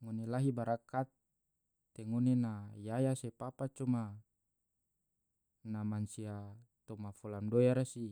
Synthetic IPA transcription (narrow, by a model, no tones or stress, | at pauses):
ŋonelaɦibaɾakat̪ː | eŋonenajajasepapat͡ʃɔma | namansiat̪ɔmafɔlamdojaɾasi